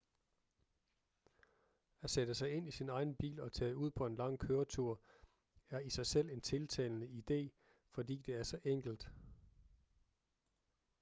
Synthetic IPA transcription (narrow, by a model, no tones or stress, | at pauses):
æsed̥əsɑ̈ɪe̝n̰isinɑ̈ɪn̩b̥ḭːlɒ̽t͡sʰɛ̰ːuð̞̰ˠpʰɒ̽e̝nlɑ̈ŋ̰kʰøːɐt͡sʰuɐ̰ | æɐisɑ̈ɪsel̰e̝nt͡sʰe̝lt͡sʰɛ̰ːlnəid̥e̝̰ː | fɒ̽dḭːd̥e̝æɐsɒ̽ʔeŋ̰ɡ̥l̩d̥